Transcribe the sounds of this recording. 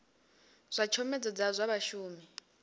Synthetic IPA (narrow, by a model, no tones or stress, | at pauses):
z̥ʷat͡ʃʰɔmɛd͡zɔd͡zazʷaβaʃuːmi